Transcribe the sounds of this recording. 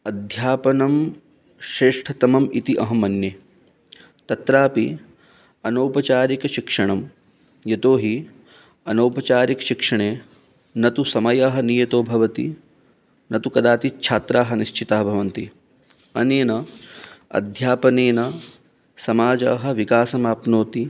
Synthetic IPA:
ɐd̪ʱjaːpɐnɐm | ʃɾeːʂʈʰɐt̪ɐmɐmit̪iʔɐɦɐmɐnje | t̪ɐt̪ɾaːpi | ɐnɐwpɐt͡ʃaːɾikɐʃikʂɐɳɐm | jɐt̪oːɦi | ɐnɐːpɐt͡ʃaːɾikʃikʂɐɳeː | nɐt̪usɐmɐjaːɦɐnijɐt̪oːbʱɐʋɐt̪ḭ | nɐt̪ukɐd̪aːt̪it͡ʃʰaːt̪ɾaːɦɐ̆niʃt͡ʃit̪ɐːɦɐbʱɐʋɐnt̪i | ɐneːnɐ | ɐ̰d̪ʱjaːpɐneːnɐ | sɐmaːd͡ʒa̰ːɦɐ̆ʋikaːsɐmaːpnoːt̪i

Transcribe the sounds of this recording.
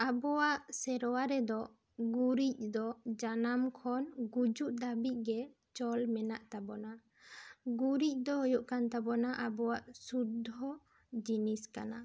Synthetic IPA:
abɔwaʔsɛɾɔwaɾɛd̪ɔ | ɡuɾic̚d̪ɔd͡ʒanamkʰɔnɡud͡ʒuʔd̪abic̚ˀɡɛ | t͡ʃɔlmɛnaʔt̪abɔna | ɡuɾic̚ˀd̪ɔɦɔjuʔkant̪abɔnaʔabɔwaʔsud̪ʱɔ | d͡ʒiniskana

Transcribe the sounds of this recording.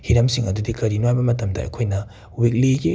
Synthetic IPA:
hiɾɐmsiŋɐdudikɐɾinwajbɐmɐtɐmdɐ̰ɐ̰jkʰojnɐ | uwik̬̚liɡi

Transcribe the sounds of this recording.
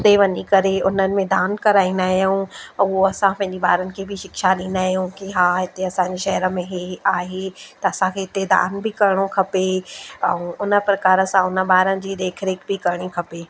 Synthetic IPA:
d̪eʋɐɲikɐɾeʊnənɪ̆mẽd̪aːnkɐɾaːĩnd̪aːɦjũʊoɐsãpɐ̃ɦɪ̃ɲd͡ʑebaːɾənɪ̆kʰebʱɪʃɪkʃalĩːnd̪aːɦijũkiɦaːɦɪt̪eɐsãːɲd͡ʑeʃɐɦɾə̆mẽɦeaːɦet̪ɐɐsãkʰeɦɪt̪ed̪a̰ːnbʱɪkɐɾɪɽ̃okʰɐpeɛ̃ũʊnə̆pɾɐkaːɾəsãʊnə̆baːɾənɪ̆d͡ʑiːd̪eːkʰɾeːkbɪkɐɾɪɽ̃ikʰɐpeː

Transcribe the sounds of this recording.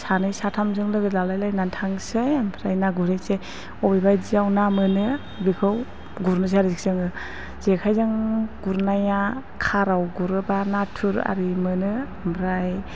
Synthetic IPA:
sanɯjsatʰamzɯŋlɯɡɯzalajlajnantʰaŋsejambʰɾajnaɡuɾejsej | ɔbibajziawnamɯnɯ | bikʰɯw | ɡuɾnɯs̬eaɾizik̚sɯŋɯ | z̥ekʰajzaŋɡ̥uɾnaja | kʰaɾawɡuɾɯbanatʰuɾa̰ɾimɯnɯampʰɾaj

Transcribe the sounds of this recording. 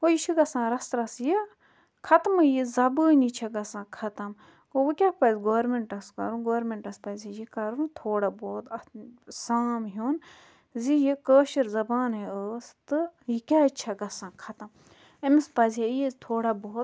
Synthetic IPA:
ojiʃʰiɡɐsãːɾɐst̪ɾɐsji | kʰɐt̪mɨjizɐbɨːnit͡ʃʰɐɡɐsãːkʰɐt̪ɐm | kowɨkʲaːpɐzɡoːɾmeɳʈɐskɐ̰ɾuɡoːɾmeɳʈɐspɐzʲajikɐɾũt̪ʰoːɽaboːt̪ɐsaːmɦuːn | zijikəːʃiɾzɐbaːnɦeəːst̪ɨjikʲaːt͡ʃʰɐɡɐsãːkʰɐt̪ɐm | emispɐzʲajit̪ʰoːɽaboːt̪

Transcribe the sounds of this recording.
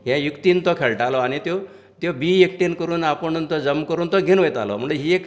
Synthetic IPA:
ɦjɛ̃jukt̪iːnt̪ɔkʰeɭʈalɔaɽ̃it̪jo | t̪jobiek̚ʈinkəɾuːnapəɳnt̪ɔd͡zəmkəɾuːnt̪ɔɡʱinʋəjt̪a̰lɔ̰m̤əɳd͡zɦiek

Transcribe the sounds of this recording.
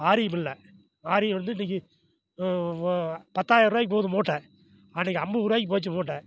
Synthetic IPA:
aːɾɪjɐmɪlːɐ | aːɾɪjɐʋɐnd̪ɯniːŋkːɯ | pɐt̪ːaːjɐɾʊɾaːjɪkːɯpoːðɯmoːʈːɛ̃ː | aːnːiːkːɐɐmbɯʊɾaːjkiɯp̬oːt͡ʃːɯmoːʈːɛ̃ː

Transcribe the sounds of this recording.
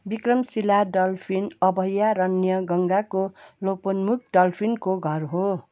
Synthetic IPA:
bikrʌmsilaɖʌlpʰinʌbʱʌjaɾʌnjʌɡʌŋɡakoloponmuk̚ɖʌlpʰinkoɡʱʌrɦo

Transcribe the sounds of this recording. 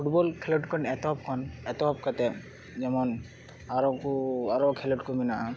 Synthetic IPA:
pʰuʈbɔlkʰɛlɔʈkʰɔnɛt̪ɔp̚kʰɔnɛt̪ɔp̚kat̪ɛ | d͡ʒɛmɔn | aɾɔkuaɾɔkʰɛlɔʈkɔminaʔa

